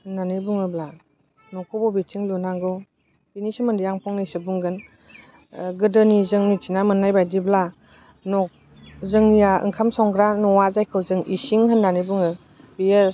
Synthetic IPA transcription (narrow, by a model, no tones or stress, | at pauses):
hɯnːanibuŋɯbla | nɔkʰɔbɔbitʰiŋlunaŋɡɔ | binisɯmɯndijaŋpʰɔŋnisɯbuŋɡɯn | ɡɯdɯnizɯŋnitʰinamɯnːajbajdibla | nɔk̚ | zɯŋnijaɯ̰ŋkʰamsɔŋɡɾanɔwazajkʰɯwzɯŋḭsiŋhɯnːanibuŋɯ | bije